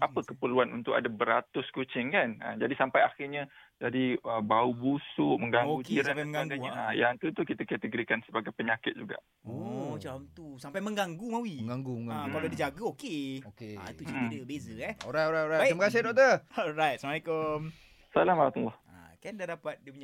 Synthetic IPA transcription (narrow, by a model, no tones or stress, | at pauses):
apəkəpəluanṵnt̪ʊka̰dabəɾat̪ʊskot͡ʃɪŋkana̰d͡ʒadisampajaxɪrɲə̃d͡ʒadiəbaubusʊʔməŋɡaoɡukeisɾampajməŋɡaaŋɡjuajaŋt̪ut̪ukit̪əkət̪əɡɾikansəbaɡajpəɲakɪt̪̚d͡ʒuɡa̰ʔ | ot͡ʃamt̪usampajmə̃ŋɡaŋɡumawiŋɡaŋɡuməŋɡaɡkaladid͡ʒaɡaokeokea̰iut͡ʃidəbezəɛɔ̰ɾajt̪oɾajtoɾajt̪ɾiməkas̬ɪdɔk̚t̪əɔɾajt̪̚salamalekom | salamaɾat̪ulːɔha̰kandadapat̪̚dipuɲa